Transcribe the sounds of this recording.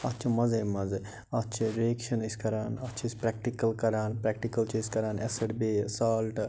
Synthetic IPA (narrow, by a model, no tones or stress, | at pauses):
ɐt͡ʃʰɐmɐzeːmɐzɐ | ɐt͡ʃʰiɾeːkʃɐniskɐɾaːnɐt͡ʃʰspɾɛk̚ʈikɐlkɐɾaːnpɾɛk̚ʈikɐlt͡ʃeskɐɾaːnesɐʈbeːsaːlʈ